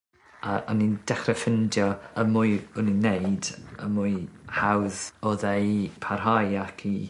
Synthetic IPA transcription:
aɔnind̥ɛχrɛfɪndjɔəmuɨʊninːejdə̰muɨhawðɔðejpʰarɦajakʰi

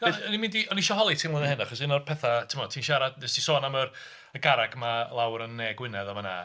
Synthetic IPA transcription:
ɡ̥ɔnimɪ̃ndiɔniʃɔɦɔlˠitʰiːnlənəhɪnaχɔsɪnɔrpʰɛθatʰɪmɔd̥̚tʰiːnʃaɾad̚nɛstʰisɔːnamər | əɡaɾaɡmalˠawɾənːɛːɡwɪnɛðamana̰ː

